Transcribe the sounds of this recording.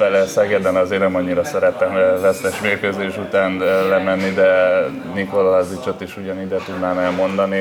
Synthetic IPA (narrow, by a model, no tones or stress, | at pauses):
ɛlɛsɛɡɛd̪ɛnɒzeːrnɛmɒɲːiɾɒsɛɾɛt̪ɛmvɛst̪ɛʃmeːrkøzeːʃut̪aːnlɛmɛnːid̪ɛ | niko̞lazit͡ʃot̪ːiʃuɟɒnid̪ɛt̪ud̪naːnɛlmo̞nd̪ɒni